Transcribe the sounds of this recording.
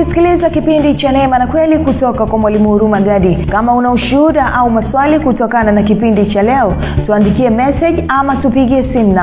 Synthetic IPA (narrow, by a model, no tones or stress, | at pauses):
isi̥kilizakipindit͡ʃanɛmanakwɛlikutɔkakwamwalimuhuɾumaɠaɗikamaunauʃuuɗaʔaumaswalikutɔkananakipindit͡ʃalɛɔ | tuandikiɛmɛsɛʄamatupiɠiɛsim̩na